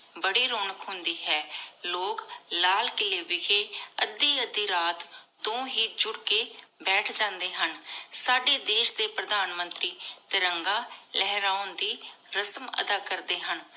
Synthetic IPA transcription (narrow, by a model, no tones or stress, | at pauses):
bəɽiːɾoːnəkɦʊnd̪iːɦɛːloːklaːlkɪleːʋɪkʰeːəd̪ːiːəd̪iːɾaːt̪ː | õːɦiːd͡ʒʊɽkeːbɛːʈʰd͡ʒãːnd̪eːɦənsaːɖeːd̪eːʃd̪eːpɾəd̪aːnmənt̪ɾiːt̪eɾəŋɡaːlɛɦɾaːʊnd̪iː | ɾəsəmə̰d̪aːkəɾd̪eːɦən